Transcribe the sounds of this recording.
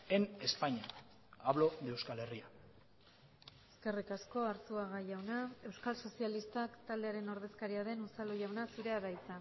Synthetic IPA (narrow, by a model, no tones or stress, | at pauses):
ene̞spaɲia | aβlo̞ðewskale̞ria | e̞̥ske̞rikasko̞aɾsuaɣaʝawnae̞wskalso̞sialist̪akt̪ald̪e̞aɾe̞no̞ɾðe̞skaɾiaðe̞nusaluʝawnasuɾeaβajt͡sa